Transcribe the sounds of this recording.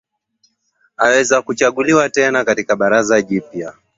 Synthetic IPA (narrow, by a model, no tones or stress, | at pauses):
awɛzakut͡ʃaɠuliwatɛnakatikaɓaɾazaʄipja